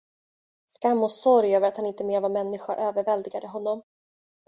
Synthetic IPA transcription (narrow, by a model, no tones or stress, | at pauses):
skamːɔsɔɾjøːvəɾat̪hanɪnt̪əmeːɾvaɾmɛnːɪɧaʔøːvəɾvɛld̪ɪɡad̪əɦɔnːɔm